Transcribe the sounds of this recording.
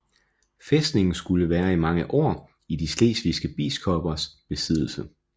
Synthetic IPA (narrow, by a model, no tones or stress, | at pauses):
fesd̥ne̝ŋn̩sɡ̥uləʋæːɐimɑ̈ŋəʔɒ̰ː | idisle̝̰ːsʋisɡ̥əb̥ḭːskʰɒb̥ɐsb̥e̝sið̰ˠl̩sə